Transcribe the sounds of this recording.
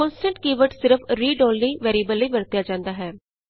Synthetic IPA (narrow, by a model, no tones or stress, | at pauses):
ɔ̃ːnsɛ̃ɳʈkiːʋəʈsɪɾəfʰɾiːɖoːlniːʋɛːɾiːbəlːəiːʋəɾt̪jaːd͡ʒãːnd̪aːɦɛː